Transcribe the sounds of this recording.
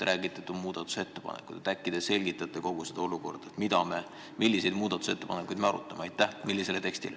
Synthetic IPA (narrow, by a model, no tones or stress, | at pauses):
ɾʔæːɡ̥it̪ːˑɑ̥t̪ːumuːd̪̥ɑt̪ːˑu̥se̞t̪ːe̞pɑ̰nḛkːˑud̪̥et̪ækːid̪̥ese̞lʲɡit̪ːˑɑt̪ːˑe̞ko̞ɡ̥used̪̥o̞luko̞̰rd̪̥ɑt̪mid̪ɑme̞ | milʲːise̞jd̪̥muːd̪ɑt̪ːˑu̥se̞t̪ːe̞pɑnekːˑujd̪̥me̞ɑɾut̪ːˑɑmeɑjt̪ːˑæhmilːise̞le̞t̪e̞kst̪ḭle